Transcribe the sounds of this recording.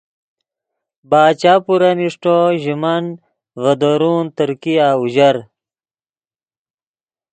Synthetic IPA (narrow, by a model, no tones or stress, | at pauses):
baːt͡ɕaːpuɾɐniʂʈoʑimɐn | vɐd̪oɾuːnt̪əɾkijaːuʑɐɾ